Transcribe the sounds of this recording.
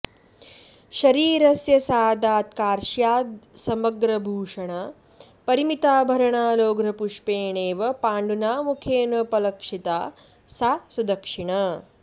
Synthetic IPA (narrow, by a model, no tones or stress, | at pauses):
ʃɐɾiːɾɐsjɐsaːd̪aːt̪̚kaːɾʃjaːd̪sɐmɐɡɾɐbʱuːʂɐɳa | pɐɾimit̪aːbʱɐɾɐɳaːloːɡɾɐpuʂpeːɳeːʋɐpaːɳɖunaːmukʰeːnɐpɐlɐkʂit̪aː | sasud̪ɐkʂiɳɐ